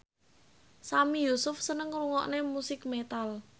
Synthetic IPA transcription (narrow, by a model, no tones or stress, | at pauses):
samijusʊfsənəŋruŋɔ̰ʔnemusɪkmet̪al